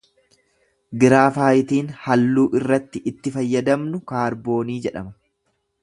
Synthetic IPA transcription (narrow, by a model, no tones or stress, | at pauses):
ɡɪɾaːfaːjɪt̪iːnhɐlːuːʔɪrːɐt̪ːɪʔɪt̪ːɪfɐjːɐd̪ɐmnʊkaːɾbo̞ːniːd͡ʒɛᶑɐ̰mɐ̥